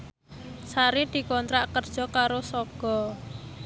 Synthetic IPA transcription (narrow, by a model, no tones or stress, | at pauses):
saɾid̪̥i̤kɔnt̪ɾaʔkərd̥ʒ̥ɔ̤kaɾosɔɡ̥ɔ